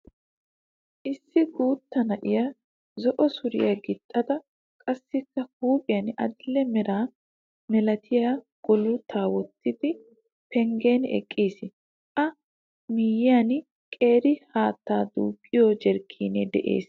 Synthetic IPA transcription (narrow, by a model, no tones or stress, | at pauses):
ʔɪsːɪɡuːt̪ːɐnɐʔɪja | zɔʔɔsʊɾɪ̰jaɡɪt̪ʼːɐd̪ɐ | kʼɐsːɪkːɐhuːpʼɪjɐnʔɐ̰d̪ɪlːɛmɛɾaː | mɛlɐt̪ʰɪjaː | ɡ̥ɔlʊt̪ʰaːwɔt̪ːɪd̪ɪ | pɛŋɡeːnɛ̰kʼːiːsɪ | ʔɐ | miːjɪjaːn | kʼe̞ːɾɪhaːt̪ːaːd̪ṵːkʼːɪjoːd͡ʒɛɾkʰːiːnɛd̪ɛʔe̞̰ːs